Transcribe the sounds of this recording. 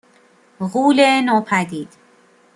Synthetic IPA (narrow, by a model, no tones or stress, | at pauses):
ɣuːlenɒːpʰæd̪iːd̪̥